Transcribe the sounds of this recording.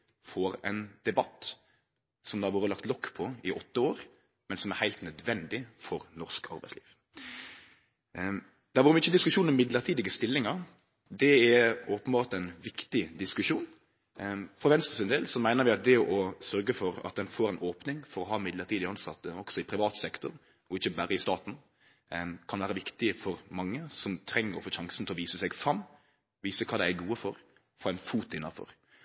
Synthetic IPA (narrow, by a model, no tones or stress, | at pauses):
fɔɾɛ̰ɪnd̪̥ɛbɑt̪ː | sɔmd̪ɛæɾʋoːɾəlɑkt̪lɔkːpʰɔɪʔɔt̪ːəoːɾ | mɛnsɔmæɾhæɪlt̪nœd̪ʋɛnd̪ɪfɔɾnɔʁskʰɑ̰ɾbæɪslḭːʋ | d̪̥ɛːʋoːɾəʋɪɪçːəd̪ɪskʉʃʂuːnɔmːɪd̪ləɾt̪ʰiːd̪ɪɡəst̪ɪlːɪŋɑɾ | d̪ɛæoːpənbɑːɾt̪ɛɪnʋɪkt̪ɪd̪ɪskʉʂuːn | fɾɔʋɛnst̪ʁəsɪnd̪eːlsɔmæɪnəɾʋɪɑt̪̚d̪ɛʔɔsœɾɡəfɔɾɑ̰t̪̚d̪ɛnfoːɾɛnʔoːpnɪŋfɔɾɔɦɑːmɪd̪ləɾt̪ʰiːd̪ɪəɑnsɑt̪ːəɔksɔɪpʰɾɪʋɑːt̪sɛkt̪ʊɾ | ɔɪçːəbæːɾəɪst̪ɑːt̪n̩ | kʰɑnʋæːɾəʋɪkt̪ɪəfɔɾmɑŋːəsɔmt̪ʰɾɛŋːəɾɔ̰foːʃɑŋsn̩t̪ʰlɔʋiːsəsɛɡfɾɑmː | ʋiːsəkʰɑːd̪ɛæɡuːəfɔɾ | foːæɪnfuːt̪ɪnːɑfɔ̰ɾ